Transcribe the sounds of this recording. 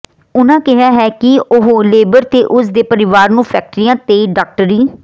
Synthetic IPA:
ʊnãːkɪɦaːɦɛːkɪʊɦoleːbəɾt̪eːʔʊsd̪eːpəɾɪʋaːɾnũːpʰɛːk̚ʈɾiːãːt̪eːɖaːk̚ʈəɾiː

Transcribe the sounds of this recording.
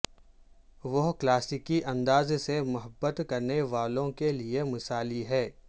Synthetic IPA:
ʋɐɦklaːsɪkiʔɐ̃nd̪aːzsemʊɦəbːət̪kɐɾneʋaːlõkeliemɐsaːliɦɛː

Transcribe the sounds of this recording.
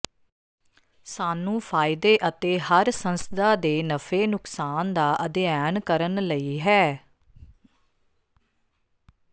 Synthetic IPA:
saːnũːpʰaːɪd̪eːʔət̪eːɦəɾsə̃nsəd̪aːd̪eːnəfʰeːnʊksaːnd̪aːʔəd̪ɪjaːnkəɾənləiːɦɛː

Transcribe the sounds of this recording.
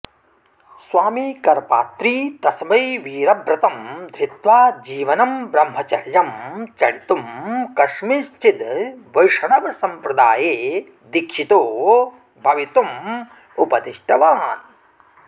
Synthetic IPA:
sʋaːmiːkɐɾpa̰ːt̪ɾiːt̪ɐsmɐjʋiːɾɐbɾɐt̪ɐmd̪ʱɾit̪ʋaːd͡ʒiːʋɐnɐmbɾɐmɦɐt͡ʃɐɾjɐmt͡ʃɐɭit̪umkɐʃmist͡ʃit̪ʋɐjʂɐɳɐʋɐsɐmpɾɐd̪aːjeː | d̪ikʃit̪oː | bʱɐʋit̪um | upɐt̪iʂʈɐʋaːn

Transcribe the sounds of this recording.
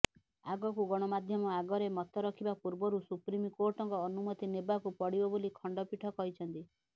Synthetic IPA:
aɡɔkuɡɔɽ̃ɔmad̪ʱjɔmɔaɡɔɾemɔt̪ɔɾɔkʰibapuɾbɔɾusupɾimikoɾʈɔŋkɔːnumɔt̪inebakupɔɽibɔbolikʰɔɳɖɔpiʈʰɔkɔɦit͡ʃʰɔnt̪i

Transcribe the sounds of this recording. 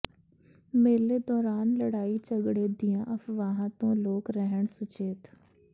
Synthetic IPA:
meːled̪ɔːɾaːnləɽaːit͡ʃəɡɽed̪ɪjãːʔəfʰʋaːɦãt̪õːloːkɾɛɦəɳsʊt͡ʃeːt̪

